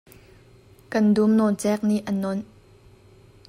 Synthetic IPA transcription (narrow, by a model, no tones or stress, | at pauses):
kɐndumnɔnt͡sɛk̚niʔənɔn